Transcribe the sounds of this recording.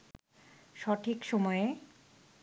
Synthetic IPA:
ʃɔʈʰikʃɔmɔe

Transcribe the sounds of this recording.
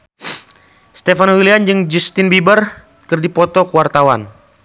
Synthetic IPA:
st̪efanwiliand͡ʒɨŋd͡ʒust̪ɪnbibər | kɨrdipɔt̪ɔkuwart̪awan

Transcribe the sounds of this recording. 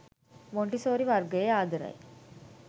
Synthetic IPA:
ʋoɳʈisoːɾiʋɐɾɡɐjeaːd̪ɐɾɐ̰j

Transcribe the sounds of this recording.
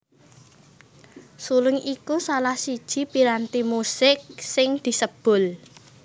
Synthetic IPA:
sulʊŋikusalahsid̥ʒ̥i̤piɾant̪imusɪk̚sɪŋd̪̥i̤səb̥ʊ̤l

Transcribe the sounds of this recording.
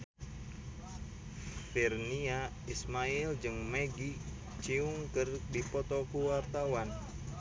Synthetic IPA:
firnia | ismaild͡ʒɨŋmɛɡi | t͡ʃiuŋkɨrdipɔt̪ɔkuwart̪awan

